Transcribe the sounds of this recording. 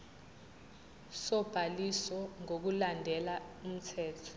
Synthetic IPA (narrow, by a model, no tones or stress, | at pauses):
sɔb̥ʱalisɔŋok̬ulandʱɛlaum̩tʰɛːtʰɔ̥